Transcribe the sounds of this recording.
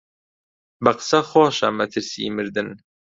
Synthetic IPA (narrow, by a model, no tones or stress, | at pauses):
bɐqɨ̥sɐxoːʃɐ̰mɐt̪ʰɨɾsḭːmɨɾd̪ɨn